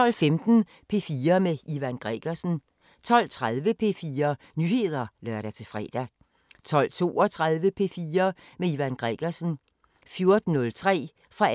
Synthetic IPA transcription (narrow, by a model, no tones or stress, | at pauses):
ɒ̽l̰femd̥n̩ | pʰe̝fiːɐmeiʋænɡ̥ʁɛ̰ɡ̥ɐsn̩ | t͡sʰɒ̽l̰t͡sʰʁað̞ˠʋəpʰe̝̰fiːɐ | nyːhe̝ð̞̰ˠɐlɶɐɾ̥æt͡sʰe̝fʁɛ̰ːd̥æ | t͡sʰɒ̽l̰t͡sʰo̝ːɒt͡sʰʁað̞ˠʋəpʰe̝fiːɐmeiʋænɡ̥ʁɛɡ̥ɐsn̩ | fjo̝ɐd̥n̩ːɔ̽lt͡sʰʁɛ̰ː | fʁɑ̈